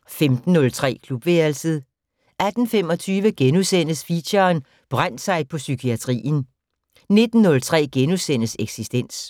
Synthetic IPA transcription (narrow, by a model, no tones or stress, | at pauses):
femd̥n̩ːɔ̽lt͡sʰʁɛ̰ːkʰlub̥ʋeɐlsəð̩ˠ | ʔæd̥n̩fem̰ɒ̽t͡sʰyːʋəɡ̥enusen̰əsfiɕɐːn | b̥ʁan̰d̥sɑ̈ɪpʰɒ̽sykʰiæt͡sʰʁḭːn̩ | ne̝d̥n̩ːɔ̽lt͡sʰʁɛ̰ːɡ̥enusen̰əseɡ̥sisd̥en̰s